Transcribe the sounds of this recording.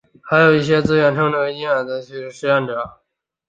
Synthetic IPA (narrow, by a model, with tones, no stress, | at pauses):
xa˧˥ɪjo˨˩ʊi˥˩ɕ̬jɛ˥t͡sɹ̩˥ɥɛ˧˥˩nʈ͡ʂʰɤ˥ŋʈ͡ʂɤ˥˩˧i˥na˨˩t͡s̪a˧˥t͡ɕʰy˥˧˥ʂɻ̩˥˧jɛ˥˩nʈ͡ʂɤ˨˩˦